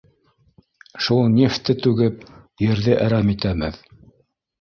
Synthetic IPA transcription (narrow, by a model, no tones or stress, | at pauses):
ʃulˠnʲeft̪ɘt̪ʉɡɘp̚jɘ̆ɾðɘʔæɾæmit̪æmɘ̰ð